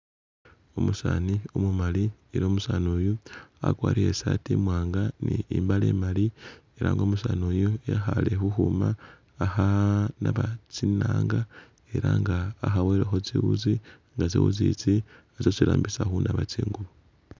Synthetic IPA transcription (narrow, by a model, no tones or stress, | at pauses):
omusaːniomumalieɾomusanojuakwaːɾiɾe̞satimwaːŋɡaniimbalḛmalieɾʔaŋɡo̞ːmusaːnojojaxalexuxumaː | xanaβat͡sinaːŋɡa | e̞ɾaŋɡaːxaweɾexot͡siwṵzi | ŋɡat͡sḭwṵzḭt͡si | at͡sosilaːmbisaxunaβat͡siːŋɡuβo